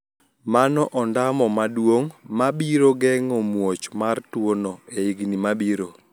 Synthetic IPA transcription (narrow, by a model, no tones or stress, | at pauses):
manɔʔɔndamɔmadwoŋmabiɾoɡɛŋɔmwot͡ʃmartwonoeiɡnimabiɾo